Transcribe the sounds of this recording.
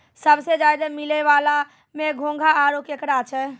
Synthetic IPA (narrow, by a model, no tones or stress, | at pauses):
səbsed͡ʒajd̪əmilɛʋala | mẽɡʱõŋɡʱaʔaɾokjəkɾat͡ʃʰɛ